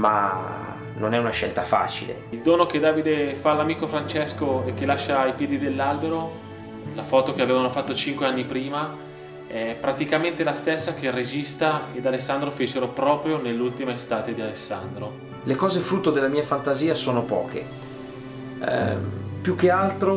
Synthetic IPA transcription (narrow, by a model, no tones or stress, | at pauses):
ma̰ | nonɛunaʃɛ̰lt̪afa̰ːt͡ʃḭlḛild̪oːnok̟ed̪aːvid̪efalːamiːkofɾant͡ʃɛskoek̟ːelaʃːaipjɛːd̪id̪elːalbeɾo | lafɔːt̪ok̟eaveːvanofat̪ːot͡ʃiŋkweanːipɾiːma | ɛpːɾat̪ikament̪elast̪esːak̟erːed͡ʒist̪aed̪alesːand̪ɾofet͡ʃeɾopɾɔːpɾjonelːult̪imaest̪aːt̪ed̪ialesːa̰nd̪ɾo | lekɔːzefɾut̪ːod̪elːamiːafant̪aziːasoːnopɔ̰ːk̟ḛ | pjuk̟ːealt̪ɾo